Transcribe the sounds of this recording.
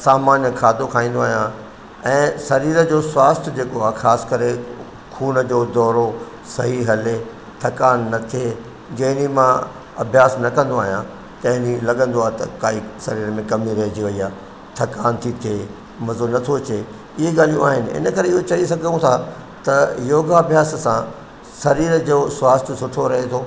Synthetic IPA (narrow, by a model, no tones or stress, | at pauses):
saːmaːnjəkʰaːd̪okʰaːĩːn̆d̪oaːɦijã | ɛ̃ːsɐɾiːɾəd͡ʑoːswaːst̪ʰd͡ʑeːkoaːxaːsɪ̥kɐɾe | kʰuːnəd͡ʑoːd̪ɔːɾo | sɐɦiɦɐle | t̪ʰɐkaːnːɐt̪ʰie | d͡ʑɐ̃ɦɪnimã | ɐbʱjaːsnɐkɐ̃nd̪oaːɦijã | t̪ɐ̃ɦɪ̃nilɐɠə̃nd̪oaːɦet̪ɐ̰kaːisɐɾiːɾmẽkɐmiɾɐɦd͡ʑiʋɐiaː | t̪ʰɐkaːnt̪ʰit̪ʰeː | mɐzonɐt̪ʰot͡ɕeː | ɪɦeɡaːl̤ijũaːɦɪnɪ̆ɪ̰nəkɐɾeɪɦot͡ɕɐisɐɡʱũt̪ʰa | t̪ɐjoːɡaɐbʱjaːssã | sɐɾiːɾəd͡ʑoːswaːst̪ʰəsʊʈʰoɾɐɦet̪ʰoː